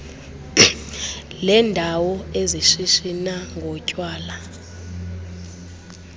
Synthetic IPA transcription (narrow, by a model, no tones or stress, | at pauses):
lɛːndʱawɔeziʃiʃinaŋɡʱɔcʼwaːla